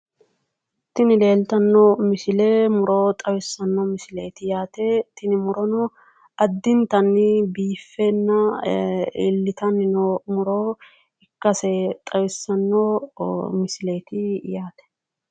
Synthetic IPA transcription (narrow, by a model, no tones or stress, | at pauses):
t̪ɪnɪleːlt̪ɐnːomɪsɪleːmʊɾot̪ʼɐwɪsːɐnːɔmɪsɪleːt̪ɪjaːt̪et̪ɪnɪmʊɾɔnɔ | ɐd̪ːɪnt̪ɐnːɪbiːfːeːnːɐ | ɪlːɪt̪ɐnɪnomʊɾoː | ɪkːɐsɛt̪ʼɐwɪsːɐnːoːmɪsɪleːt̪ɪjaːt̪ɛ̥